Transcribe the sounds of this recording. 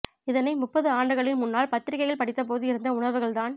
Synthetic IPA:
ɪðɐnɐɪmʊpːɐðɯaːɳɖɯɣɐɭɪnmʊnːaːlpɐt̪ːɪɾɪɣɐjɣɐɭpɐɽɪt̪ːɐp̬oːðɯɪɾɯnd̪ɐʊɳɐʋɯɣɐɭt̪aːn

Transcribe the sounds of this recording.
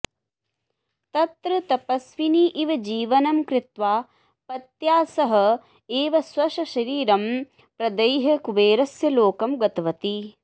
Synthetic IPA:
t̪ɐt̪ɾɨt̪ɐpɐsʋiniʔiʋɐd͡ʒiːʋɐnɐmkɾɪt̪ʋaː | pɐt̪jaːsɐɦɐ̆ | eːʋɐsʋɐʃɐʃɐɾiːɾɐm | pɾɐd̪ɐjɦɐkuʋeːɾɐsjɐloːkɐmɡɐt̪ɐʋɐt̪i

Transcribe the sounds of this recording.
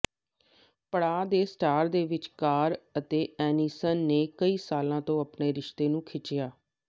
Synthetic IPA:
pəɽaːd̪eːsʈaːɾd̪eːʋɪt͡ʃkaːɾət̪eːɛːniːsənːeːkəiːsaːlãːt̪õːəpneːɾɪʃt̪eːnũːkʰɪt͡ʃɪjaː

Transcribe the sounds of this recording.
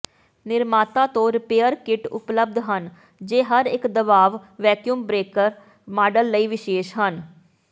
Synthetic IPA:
nɪɾmaːt̪ãːt̪õːɾɪpeːəɾkɪʈʊ̰pləb̚d̪ɦən | d͡ʒeːɦəɾɪkd̪əbaːʋʋɛːkjumbɾeːkəɾ | maːɖəlːəiːʋɪʃeːʃɦən

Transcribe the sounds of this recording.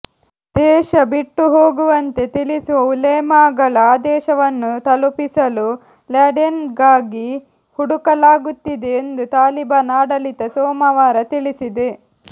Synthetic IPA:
d̪̥ɛːʃɐbiʈːuɦo̞ːɡuʋɐnt̪e̞t̪ilisuʋɐulɛjmaːɡɐɭɐaːd̪ɛːʃɐʋɐnːut̪ɐlupisɐlu | laːɖenɡaːɡi | huɽukɐlaːɡut̪ːid̪e̞ːnd̪ut̪aːlibaːnaːɽɐlit̪ɐsɔːmɐʋaːɾɐt̪iɭisid̪e̞

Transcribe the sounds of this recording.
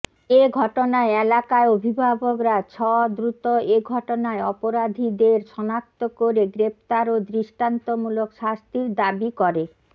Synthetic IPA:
eɡʱɔʈonaeelakaeobʱibʱabokɾat͡ɕʰɔd̪ɾut̪oeɡʱɔʈonaeɔpoɾad̪ʱid̪eɾʃɔnak̚t̪okoɾeɡɾept̪aɾod̪ɾiʃʈant̪omulokʃast̪iɾd̪abikɔɾe

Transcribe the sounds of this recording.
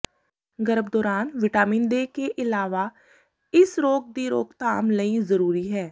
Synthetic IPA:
ɡəɾəbd̪ɔːɾaːnʋɪʈaːmĩːnd̪eːkeːʔɪlaːʋaː | ɪsɾoːk̚d̪iːɾo̰ːkt̪a̰ːmləĩːzəɾuːɾiːɦɛː

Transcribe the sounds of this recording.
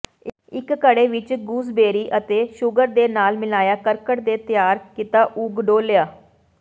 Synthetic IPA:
ɪkːəɽeːʋɪt͡ʃɡuːsbeːɾiːʔət̪eːʃʊɡəɾd̪eːnaːlmɪlaːjaːkəɾkəʈd̪eːt̪ɪjaːɾkɪt̪aːʔuːɡɖoːljaː

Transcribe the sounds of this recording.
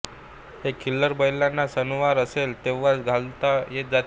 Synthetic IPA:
hekʰiləɾbəjlanːasənuʋaɾəselt̪eʋat͡sɡʱalt̪ajet̪̚d͡zat̪

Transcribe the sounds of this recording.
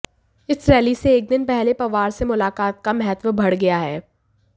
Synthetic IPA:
ɪsɾɛːliseːk̚d̪ɪnpɛɦlepɐʋaːɾsemʊlaːkaːt̪̚kamɛɦət̪ʋəbʱɐɽɡɐjaɦɛː

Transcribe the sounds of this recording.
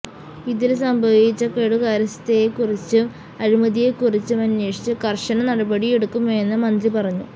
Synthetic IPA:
iðilsɐmbʱɐʋit͡ɕːɐkeːɽuɣaːɾɐst̪ɐjekurit͡ɕːɨ | ɐɾimɐðijekurit͡ɕːumɐnːeːʂi̥t͡ɕːɨkɐrʂɐnɐnɐɽɐbɐɽijeɽukːumojenːɐmɐnd̪ripɐrɐɲːu

